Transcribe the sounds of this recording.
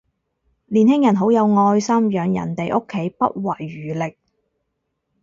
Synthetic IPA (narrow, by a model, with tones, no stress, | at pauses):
liː˨˩nhɪ˥ŋjɐ˨˩nɦo˨˥wjɐ˨˧wŋɔː˧jsɐ˥mjœː˨˧ŋjɐ̰˨˩nt̪e˨jʔo˥kʰːe˨˥jpɐ˥t̚wɐ˨˩jːyː˨˩lɪ˨k̚